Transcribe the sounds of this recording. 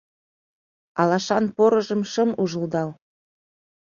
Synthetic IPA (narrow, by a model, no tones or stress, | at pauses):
ɑlɑʃɑnpoɾɤ̆ʒə̆mʃə̆muʒɤld̪ɑl